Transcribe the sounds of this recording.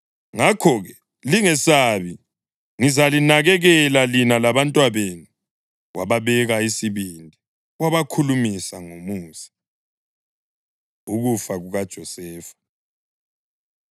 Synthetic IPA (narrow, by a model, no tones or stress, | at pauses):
ŋakʰɔɣɛ | liŋɛsaβi | ŋizalinaɣɛɣɛlalinalaβantʼwaβenu | wa̰βaβɛɣaisiβindʱi | waβakʰulumisaŋomuːsi̥ | uɣufaɣuɣad̥ʒ̥ʱɔsɛːfḁ